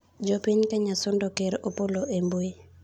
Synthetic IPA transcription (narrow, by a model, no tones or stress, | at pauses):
d͡ʒɔpɪɲkaɲasɔndɔkeɾopoloʔemboe